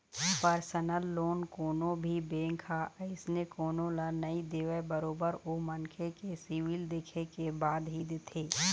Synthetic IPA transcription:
pəɾsənəlːoːnkoːnõbʱibẽːŋkʰaʔɪsnekoːnõlanɐid̪eːʋəbəɾoːbəɾoːmɐnkʰekesiːʋild̪eːkʰekebaːd̪ɦid̪ɪt̪ʰeː

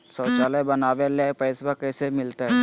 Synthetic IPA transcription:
sɔːt͡ʃaːlebɐnaːʋelapɛːsbakɛːsemɪlt̪aɦɛ

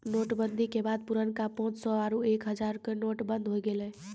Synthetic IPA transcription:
noʈbənd̪ʱikebad̪̚puɾənkapɔ̃t͡ʃsɔaɾuekɦəd͡ʒaɾkenoʈbənd̪ʱɦojɡelɛ

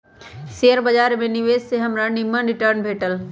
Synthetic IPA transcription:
sejəɾbəd͡ʒaːɾmẽniʋeːsseɦɐmɾanimə̃nɾɪʈəɾnbʱeːʈəl

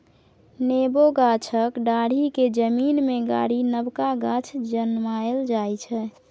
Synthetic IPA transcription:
neboɡat͡ʃʰəkɖaɽ̤iked͡ʒəminmeɡa̰ɽinəbkaɡat͡ʃʰd͡ʒənmaeld͡ʒajt͡ʃʰɛ

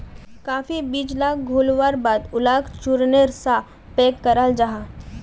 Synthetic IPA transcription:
kaːfibiːd͡ʒlaːɡʱoːlʋaːɾbaːd̪ʊlaːkt͡ʃuɾneɾsa | peːkːɐɾald͡ʒaɦaː

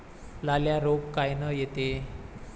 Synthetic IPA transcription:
laljaɾoɡkajnəjet̪e

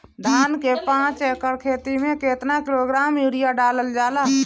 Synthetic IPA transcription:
d̪ʱankepãt͡ʃekəɾkʰet̪imẽket̪nakiloɡɾamjuɾijaɖaləld͡ʒala

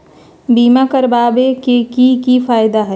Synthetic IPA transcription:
biːmakəɾbaːbekekikifaːɪd̪aɦɛ

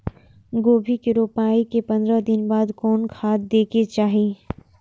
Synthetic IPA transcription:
ɡoːbʱikɪɾoːpaːikepɐ̃nd̪ɾad̪ɪnbaːd̪kɔːnkʰaːt̪̚d̪eːket͡ʃaːɦiː

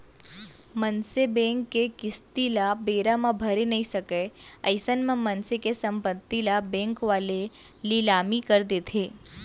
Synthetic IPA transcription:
mənsebɛ̃ːŋkːekɪst̪ilabeːɾamãbʱɐɾenɐɦĩsɐkeɐɪsənmãmɐnsekesɐ̃mpət̪ːilabɛ̃ːŋkʋaːle | lilaːmikəɾd̪eːt̪ʰeː

